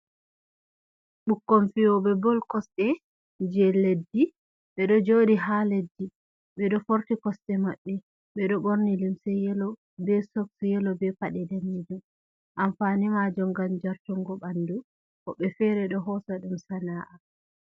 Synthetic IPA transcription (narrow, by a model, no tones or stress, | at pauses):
ɓukːomfijɔɓɛbɔlkɔstɛ | d͡ʒɛledːi | ɓɛɗɔd͡ʒodiɦaledːi | ɓɛɗɔfoɾtikɔsɗɛmaɓːɛ | ɓɛɗɔɓoɾnilimsɛjɛlɔ | bɛsoksjɛlɔbɛpaɗɛdanːid͡ʒum | ʔamfanimad͡ʒɔŋɡamd͡ʒaɾtɔŋɡɔɓandu | kɔɓɛfɛɾɛɗɔɦɔsaɗumsanaːʔa